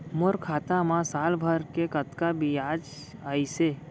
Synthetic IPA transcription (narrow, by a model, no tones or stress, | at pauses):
mʊɾkʰaːt̪amãsaːlbʱəɾkekət̪kabiaːd͡ʒ | aːise